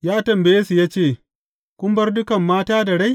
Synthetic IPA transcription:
jaː˦tɐ˨mbɐ˨jeː˦su˨jaː˦t͡ʃeː˦˨ | kʷʊ˦mbɐ˦rdʊ˦kɐ˨mːaː˦taː˦dɐ˨ɽa˦j

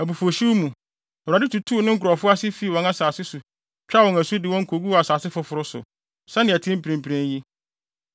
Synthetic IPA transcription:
æ˨bu˨fo˨ɕu˦mũ˨ | a˨dɪ˦tʰu˨tʰu˦˨nʊ̃˦ŋ̩˦kʰʊ˨ɾɔ˨fʊ˦a˦sɪ˦fi˦˨wɔ̃˨na˦saː˨sɪ˦su˨ | t͡ɕᶣa˦wɔ̃˨ŋæ˨su˦dɪ˨wɔ̃˦ŋ̩˦kʰo˨ɡu˦a˨saː˨sɪ˦fʊ˨fʊ˨ɾʊ˦sʊ̰˨ | sɛ˦nɪ̃˨æ˨tʰɪ̃˦m̩˦pɾẽ˨m̩˨pʰi˨ɾæ̃˦nji˦

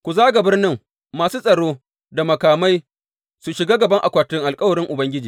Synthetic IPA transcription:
kʷu˨zaː˦ɡa˨bɪ˦rnɪ˦ŋ | maː˨suː˦sʼɐ˨ɽoː˦ | da˨mɐ˨kaː˨ma˦j | su˨ʃɪ˨ɡaː˦ɡɐ˨bɐ˦ŋʔa̰˨kʷaː˨tɪ˦ŋʔa˨lkʼɐ˦wɐ˨ɽɪ˦ŋʔʊ˨bɐ˦ŋɡʲɪ˦d͡ʒiː˨

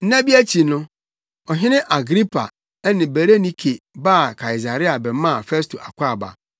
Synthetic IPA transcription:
n̩˦nã˦bi˦æ˦t͡ɕʰi˨nʊ̃˦ | ɔ˨ɦɪ̃˦nɪ̃˦ʔa˨ɡɾi˦pʰa̰˨ | ɛ˦nɪ̃˨be˨ɾe˦nĩ˦kʰe˨baː˦˨kʰa˨i˨s̬a˨ɾi˦a˨bɛ˨mã˦˨fɛ˦sto˨ʔa˨kʷʰa˦˨ba̰˨

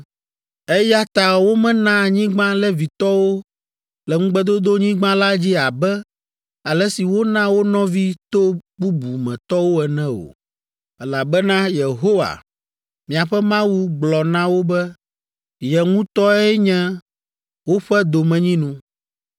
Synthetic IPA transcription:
ɛ˦ja˦t̪a˨wo˦mɛ̃˦nã˦˨ɲĩ˦ɡ͡bã˦lɛ˦vi˨t̪ɔ˦wo˦ | lɛ˨ŋũ˦ɡ͡bɛ˦d̪o˦d̪o˦ɲĩ˦ɡ͡bã˦la˦d͡ʑi˦a˨bɛ˦ | a˨lɛ˦si˨wo˦nã˦wo˦nɔ̃˦vi˦t̪o˦bu˦bu˨mɛ̃˨t̪ɔ˦wo˦ɛ˨nɛ̃˦o̰˨ | ɛ˦la˨bɛ˦nã˦je˨ɦo˦wa̰˨ | mĩ˨a˨ɸɛ˦mã˦wu˦ɡ͡blɔ˨nã˦wo˦bɛ˦ | jɛ˨ŋũ˦t̪ɔ˦ɛ˦ɲɛ̃˦ | wo˦ɸɛ˦d̪o˨mɛ̃˨ɲĩ˦nũ˦

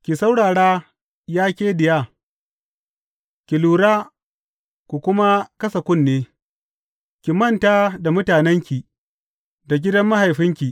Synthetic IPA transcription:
kʲi˨sa˦wɽaː˨ɽaː˦ | jaː˦kʲeː˦dɪ˨jaː˦˨ | kʲi˨luː˨ɽaː˦ | kʷu˨kʷʊ˦ma˦kɐ˦sɐ˨kʷʊ˦˨nːeː˦ | kʲi˨mɐ˦˨ntaː˦da˨mʊ˦taː˨nɛ˦ŋkʲi˨ | da˨ɡʲɪ˦dɐ˦mːa˦ɦa˨jɸɪ˦ŋkʲi˨

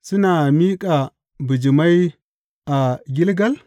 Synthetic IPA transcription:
si˦na˨mi˦kʼa˨ | bu˨d͡ʒi˨ma˦i˦ | a˨ɡʲi˦lɡa˦l

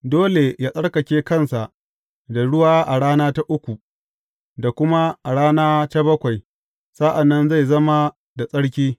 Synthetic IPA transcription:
doː˦le˨jaː˦sʼɐ˦ɽkɐ˨kʲeː˦kɐ˦˨nsa˨ʔ | da˨ɽʊ˦waː˦ʔa˨ɽaː˦naː˦ta˦ʔʊ˦kʷu˨ | da˨kʷʊ˦ma˦ʔa˨ɽaː˦naː˦ta˦bɐ˦kʷa˨j | sa˦ʔa˨nːɐ˦nza˦˨jzɐ˦ma˦ | da˨sʼɐ˦ɽkʲiː˦

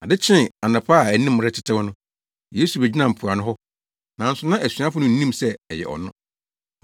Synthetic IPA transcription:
a˨dɪ˦t͡ɕʰɪ̃˦a˨nɪ̃˨pʰa˦˨æ˨nĩ˦mː˦ʊ˨ɾɪ˦tʰɪ̥˦tʰɪ˦wɔ˦nʊ̃˦ | je˦su˨bɛ˨d͡ʑi˦nã˨m̩˨pʰʊ˨a˨nʊ̃˦ɦɔ˦ | nã˨n̩˦sʊ˨˦nã˦ʔæ˨sɥã˦fʊ˦nʊ̃˦˨n̩˦nĩ˦msɛ˦ɛ˨jɛ̰˨ʔɔ̰˨nʊ̃˦

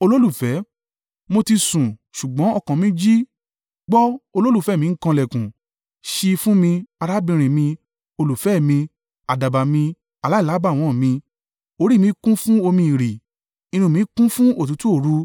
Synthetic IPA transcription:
o˧lo˦lu˦˨fɛ˨˦ | mo˧ti˧sũ˨ʃu˨ɡ͡bɔ̃˨˦ɔ˧kã˨mĩ˦d͡ʒi˦ | ɡ͡bɔ˦o˧lo˦lu˦˨fɛ˨˦˨mĩ˧˦ŋ̩˦kã˧lɛ˨kũ˨ | ʃi˧fũ˦mĩ˧a˧ɾa˦bĩ˧ɾ̃ĩ˨mĩ˧ | o˧lu˨fɛ˨˦˨mĩ˧ | a˨da˨ba˨mĩ˧ | a˨la˦i˦˨la˨˦ba˦˨w̃ɔ̃˨mĩ˧ | o˧˦ɾi˦˨mĩ˧˦kũ˦fũ˦o˧mĩ˧i˨ɾi˨ | i˧nũ˧˨mĩ˧˦kũ˦fũ˦o˦˨t̬ũ˨˦tu˦o˦˨ɾu˨˦

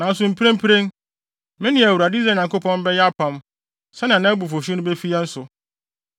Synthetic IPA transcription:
nã˨˦n̩˦s̬ʊ˨m̩˨pʰi˦ẽ˦m̩˦pʰi˦ɾẽ˦n | mɪ̃˦nɪ̃˨˦˨æ˨wu˨ɾa˨dɪ˦sɾa˦˨ɲã˨ŋko˦pʰɔ̃˦n˦bɛ˦jɛ˦a˦pʰã˨m | sɛ˦nɪ̃˨a˨nã˦æ˦bu˨fo˨ɕᶣi˦nʊ̃˦be˦fi˦a˦n̩˦sʊ˨

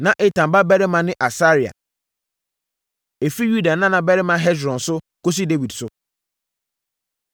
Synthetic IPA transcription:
nã˨ʔe˨tʰã˨mba˦bɛ˦ɾɪ˦mã˨nɪ̃˦ʔa˨sa˦ɾi˨a̰˨ | e˨fi˦ju˦da˨nã˦nã˨bɛ˦ɾɪ˦mã˨ɦɛ˦dɾɔ̃˨nsʊ˦ | ko˦s̬i˦de˦wi˨dsʊ˨˦

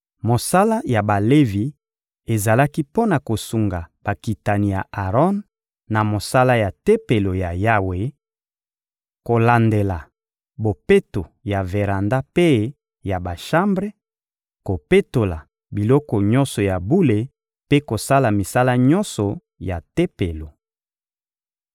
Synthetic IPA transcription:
mo˨sa˦la˦ja˨ba˨le˦vi˨ | e˨za˨la˦ki˦po˦na˨ko˨su˨ŋɡa˨b̥a˨ki˨ta˨ni˨ja̰˨ʔa˨ʁɔ˦nː | a˨mo˨sa˦la˦ja˨te˦pe˨lo˨ja˨ja˦we˨ | ko˨la˨nde˨la˨ | bo˨pe˦to˨ja˨ve˨ʁa˨nda˦pe˦ | ja˨ba˨ʃã˦mbʁe˦ | ko˨pe˦to˨la̰˨ | bi˨lɔ˦kɔ˨ɲɔ̃˦nsɔ˨ja˨bu˦le˨ | pe˦ko˨sa˦la˨mi˨sa˦la˦ɲɔ˦nsɔ˨ | ja˨te˦pe˨lo˨

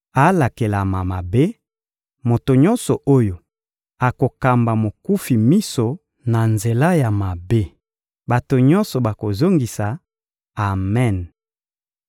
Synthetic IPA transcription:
a˨˦la˨ke˨la˨ma˨ma˨be˦ | mo˨to˨ɲɔ˦nsɔ˨ʔo˦jo˨ | a˨ko˨ka˨mba˨mo˨ku˦fi˨mi˦so˨ | na˨nze˨la˦ja˨ma˨be˦ | ba˨to˨ɲɔ˦nsɔ˨ba˨ko˨zo˦ŋɡi˨sa˨ | a˨mɛ˦˨n

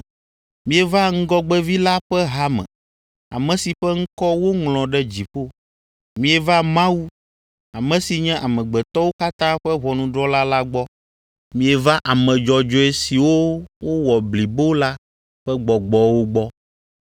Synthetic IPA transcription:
mĩ˨˦ɛ˨va˦ŋ̩˦ɡɔ˦ɡ͡bɛ˦vi˦la˦ɸɛ˦ɦa˦mɛ̰̃˨ | a̰˨mɛ̃˨si˨ɸɛ˦ŋ̩˦kɔ˦wo˦ŋlɔ̃˨ɖɛ˦d͡ʑi˨ɸo˦ | mĩ˨˦ɛ˨va˦mã˦wu˦ | a˨mɛ̃˨si˨ɲɛ̃˦ʔa˨mɛ̃˨ɡ͡bɛ˨t̪ɔ˦wo˦ka˦t̪ã˦ɸɛ˦βɔ˨nũ˨ɖɾɔ˦la˦la˦ɡ͡bɔ˦ | mĩ˨ɛ˨va˦ʔa˨mɛ̃˨d͡ʒɔ˨d͡ʒɔ˦e˨si˨wo˦wo˦wɔ˨bli˨bo˦la˦ | ɸɛ˦ɡ͡bɔ˨ɡ͡bɔ˦wo˦ɡ͡bɔ˦

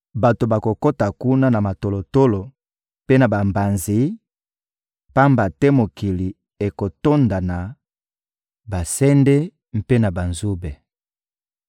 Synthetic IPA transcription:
ba˨to˨ba˨ko˨ko˦ta˨ku˦na˦na˨ma˨to˨lo˨to˦lo˨ | pe˦na˨ba˨mba˨nzi˦ | pa˦mba˨tɛ˦mo˨ki˨li˨ | e˨ko˨to˦nda˨na˨ | ba˨sɛ˦nde˦ | m̩˦pe˦na˨ba˨nzu˦be˨

